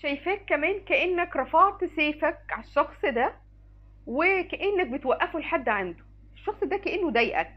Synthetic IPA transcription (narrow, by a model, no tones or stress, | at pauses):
ʃæjfæːkːæmæːnkæʔenːækɾˤɑfɑːʕt̪ɪseːfæk̚ʕaʃːɑxsˤd̪æ | wekæʔenːæk̚bet̪wæʔːæfuelħad̪ːʕand̪o̥ | eʃːɑxsˤd̪ækæʔenːod̪æjʔæ̰k̚